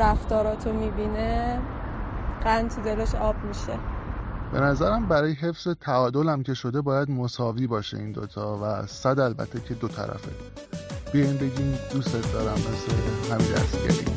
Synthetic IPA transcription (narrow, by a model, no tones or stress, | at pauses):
æft̪ɒːɾɒːt̪ʰomiːbine | ɢænt̪ʰud̪eleʃɒːbmiʃeb̥e̞̰næzæɾæmbæɾɒːjeɦe̞fz̥et̪ʰæɒːd̪o̞læmcʰe̞ʃo̞d̪e̞bɒːjæd̪mosɒːviːbɒːʃḛiːnd̪o̰t̪ʰɒːvæsæd̪ælbæ̰t̪ʰːecʰe̞d̪ot̪ʰæ̰ɾæ̰fe | b̥ijɒjinbe̞ɟiːmd̪̥ust̪et̪̚ʰd̪ɒːɾæmːesleɦæmind̪æ̰st̪ɟḛɾḭːm